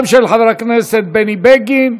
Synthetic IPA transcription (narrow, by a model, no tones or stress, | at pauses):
mʃelħaðɾakneset̪̚benibeɡin